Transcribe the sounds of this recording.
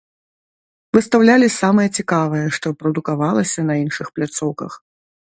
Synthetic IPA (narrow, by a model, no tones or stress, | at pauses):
vɨst̪awlʲalʲisamɐjɛt͡sʲikavɐjɛʂt̪ɔpɾɐd̪ukavalˠɐsʲɐnɐinʂɨxplʲat̪sɔwkɐ̰x